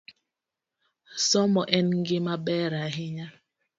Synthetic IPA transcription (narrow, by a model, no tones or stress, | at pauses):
sɔmɔʔɛnŋɡɪmabɛɾaɦɪɲa